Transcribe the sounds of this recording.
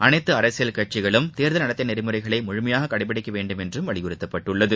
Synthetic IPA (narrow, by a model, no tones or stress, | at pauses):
ʔɐnɐɪt̪ːɯɐɾɐsɪjɐlkɐʈ̚t͡ʃːɪɣɐɭɯmt̪eːɾðɐlnɐɽɐt̪ːɪnɛɾɪmɯrɐɪɣɐɭɐɪmʊɻʊmɐjaːɣɐkɐɽɪp̬ːɐɽɪkːɐʋeːɳɖɯmɛndrɯmʋɐɭɪɣɯrɯt̪ːɐpːɐʈːɯɭːɐðɯ